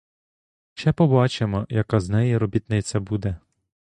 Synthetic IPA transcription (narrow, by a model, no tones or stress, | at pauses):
ʃɛpɔbɑt͡ʃemɔjɐkɑznɛjiɾɔbʲit̪nɪt̪t͡sʲːɐbud̪ɛ